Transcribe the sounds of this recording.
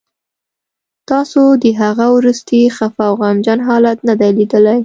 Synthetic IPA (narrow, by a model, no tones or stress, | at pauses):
t̪ɑsod̪əɦaɣawɾust̪ixafawɣamd͡ʒɑnɦɑlat̪nad̪ajlid̪əlaj